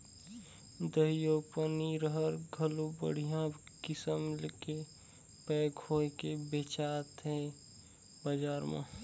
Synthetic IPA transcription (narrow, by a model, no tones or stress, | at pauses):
d̪əijopəniɾəɦəɾɡʱəlubə̰ɽ̤ijãbkɪsəmlke | pɛːkʰoːkebet͡ʃaːt̪ɦɛ | bəd͡ʒaːɾmã̰